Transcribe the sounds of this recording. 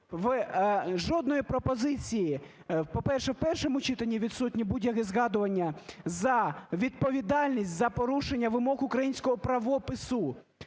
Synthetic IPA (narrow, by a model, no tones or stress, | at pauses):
ʋ | ʒɔd̪nɔjipɾɔpɔzɪt͡sʲiji | pɔpɛrʃɛwpɛrʃɔmʊt͡ʃɪt̪ɐnʲːiʋʲid̪sutʲnʲibudʲjɐɦɪzɣɑd̪ʊʋɐnʲːɐzɐʋʲid̪̚pɔʋʲid̪ɑlʲnʲisʲtʲzɐpɔɾuʃenʲːɐʋɪmɔɣʊkɾɐjinʲsʲkɔɦɔpɾɐʋɔpɪsʊ